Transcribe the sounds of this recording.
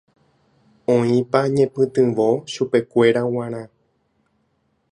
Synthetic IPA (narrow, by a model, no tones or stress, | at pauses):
õĩpaɲẽ̞pɨ̃t̪ɨ̃ʋo̞ʃupe̞kʷe̞ɾaw̃ãɾ̃ã